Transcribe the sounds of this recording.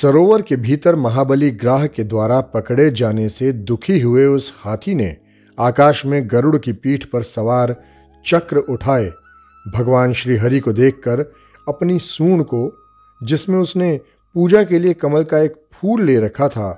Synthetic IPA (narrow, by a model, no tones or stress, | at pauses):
sɐɾoːʋəɾkebʱiːt̪əɾmɐɦaːbəliɡɾaːɦked̪waːɾapɐkɽed͡ʒaːnesed̪ʊkʰiɦʊeʊshaːt̪ʰinḛ | aːkaːʃmẽɡɐɾʊɽkipiːʈʰpɐɾsɐʋaːɾ | t͡ʃɐkɾʊʈʰaːe | bʱɐɡʋaːnʃɾiːɦɐɾikod̪eːkʰːɐɾ | ɐpnisuːɽ̃ko | d͡ʒɪsmẽʊsne | puːd͡ʒakeliekɐməlkaeːk̚pʰuːlːeːɾɐkʰat̪ʰaː